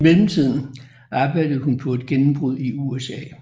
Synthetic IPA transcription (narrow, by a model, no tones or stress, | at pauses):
melm̩t͡sʰið̞̰ˠn̩ | ɑ̈ːb̥ɑ̈ɪ̰d̥əð̩ˠɦunpʰɒ̽e̝d̥̚ɡ̥enm̩b̥ʁuð̰ˠiuesɛ̰ː